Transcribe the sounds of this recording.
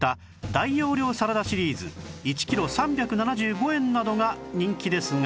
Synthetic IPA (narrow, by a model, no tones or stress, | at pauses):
t̪a | d̪aijo̞ːɾʲo̞ːsaɾad̪aɕiɾʲiːzɨ̰it͡ɕi̥kʲiɾo̞sãmbʲakɯ̟nanaʑɨːɡo̞ẽ̞nːad̪o̞ɡaɲ̟ĩŋkʲid̪e̞sɨŋ